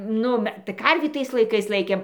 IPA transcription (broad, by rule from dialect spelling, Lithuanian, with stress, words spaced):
ˈnʊ mʲɛ tɐɪ kɐrʲʋʲiː ˈtɐɪs lˠɐɪˈkɐɪs ˈlˠɐɪkʲeːm